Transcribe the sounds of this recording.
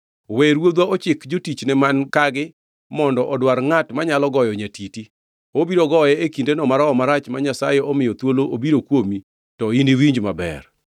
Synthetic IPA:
weɾwod̪waɔt͡ʃɪkd͡ʒotit͡ʃnɛmankaɡɪ | mɔndɔʔɔdwaɾŋatmaɲalɔɡɔjɔɲatiti | obiɾoɡɔjɛekindenɔmaɾaɔmaɾat͡ʃmaɲasajɛɔmɪjɔt̪woloʔobiɾokwomi | tɔindiwiɲd͡ʒmabɛ̰r

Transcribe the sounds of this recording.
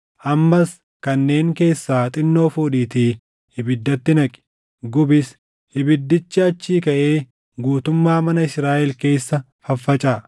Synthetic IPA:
ʔɐmːɐs | kɐnːe̞ːŋke̞ːsːaːt̪ʼɪnːo̞ːfuːᶑiːt̪iː | hɪbɪd̪ːɐt̪ːɪnɐkʼɪ̥ | ɡʊbɪs | hɪbɪd̪ːɪt͡ʃːɪɐt͡ʃːiːkɐʔe̞ː | ɡuːt̪ʊmːaːmɐnɐɪsɾaːʔɛlke̞ːsːɐ | fɐfːɐt͡ʃʼaː

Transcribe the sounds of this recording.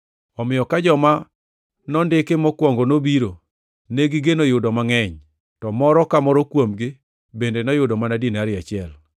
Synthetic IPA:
ɔmɪjɔkad͡ʒɔma | nɔndɪkɪmɔkwɔŋɡɔnobiɾo | neɡɪɡenɔjʊdɔmaŋɛɲ | tɔmɔɾɔkamɔɾɔkwomɡɪ | bendenɔjʊdɔmanadinaɾɪat͡ʃɪɛl

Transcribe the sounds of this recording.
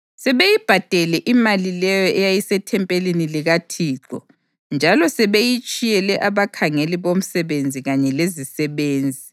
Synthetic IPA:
sɛβejib̥ʱad̥ʱɛlɛʔimalilɛjɔʔɛjajisɛtʰɛmpʼeliniliɣatʰiːǃɔ | nd͡ʒʱalɔsɛβejit͡ʃʼijɛlɛʔaβakʰaŋeliβom̩sɛβend͡zʱiɣaɲɛlezisɛβeːnd͡zʱi

